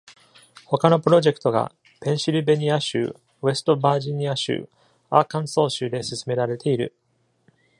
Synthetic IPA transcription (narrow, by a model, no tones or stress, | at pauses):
ho̞kano̞pɯ̟ɾo̞ʑe̞kɯ̥t̪o̞ɡa̰ | pẽ̞ɰ̃ɕiɾɯ̟be̞ɲ̟ʲiaɕɨ̰ː | βe̞sɨ̥t̪o̞baːʑiɲ̟ʲiaɕɨ̰ː | akãɰ̃so̞ːɕɨːd̪e̞sɨsɨme̞ɾaɾe̞t̪e̞iɾɯ̟̰